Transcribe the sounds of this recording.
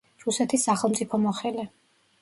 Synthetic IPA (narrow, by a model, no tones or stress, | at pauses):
ɾusɛt̪ʰisːaχɛlˠmt̪sʼipʰɔmɔχɛlɛ